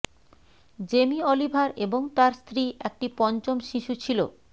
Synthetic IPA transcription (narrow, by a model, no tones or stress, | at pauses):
d͡ʑemiolibʱaɾeboŋt̪aɾst̪ɾiek̚ʈipɔnt͡ɕomʃiʃut͡ɕʰilo̰